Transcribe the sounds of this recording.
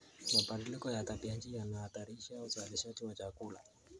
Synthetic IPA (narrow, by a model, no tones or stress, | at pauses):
mapandilikɔjat̪apiant͡ʃijanahat̪aɾiʃauzaliʃatiwat͡ʃakula̰